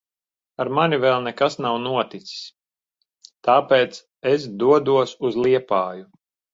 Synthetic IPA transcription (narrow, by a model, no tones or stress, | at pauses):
aɾmanivɛlˠnɛkasnawnuɔt̪it̪si̥s | t̪aːpeːt̪s | es̬d̪uɔd̪uɔsuzlˠiɛpaːju